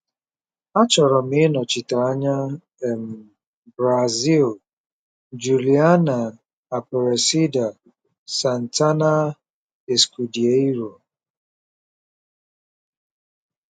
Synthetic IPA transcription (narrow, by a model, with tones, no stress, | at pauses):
a˦t͡ʃɔ˨ɾɔ˨m̩ɪ˦nɔ˨t͡ʃi˨ta˨a˦ɲa˦ | e˨m̩˨ | bɾa˨zi˦l | d͡ʒu˨li˨a˦naː˨ | pɔ˨ɾe˨si˦da˨ | sa˨n̩˨ta˦na˦ | e˨sku˨di˨e˦i˦ɾo˨